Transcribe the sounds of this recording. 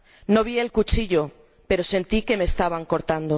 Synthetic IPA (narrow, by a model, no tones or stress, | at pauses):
no̞β̞ie̞lkut͡ʃiʎo̞ | pe̞ɾo̞se̞nt̪ike̞me̞ːst̪aβaŋko̞ɾt̪and̪o